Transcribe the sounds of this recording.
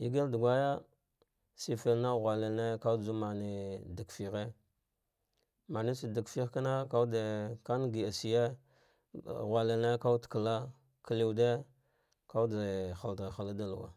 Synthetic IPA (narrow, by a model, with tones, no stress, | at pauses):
i˨ɡa˦ldu˨ɡʷa˦ja˦ | si˨fe˨lna˦ɣʷa˨le˨lne˦ka˦d͡zu˦ma˨ni˨da˨kfi˨ɣe˦ | ma˨ni˦si˨di˨kfi˦xka˦na˦ka˦de˨ka˦n˦ɡi˨a˨si˨je˦˨ | ɣʷa˨le˨lne˦ka˦tka˨la˦ | ki˨li˦˨wde˦ | ka˦u˦da˨xa˨lda˨xa˨la˦da˦lu˨wa̰˨